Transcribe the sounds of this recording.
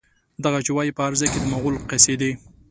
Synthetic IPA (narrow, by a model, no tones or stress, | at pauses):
d̪aɣat͡ʃɪwɑjipəaɾzɑjked̪əmaɣʊlqesed̪i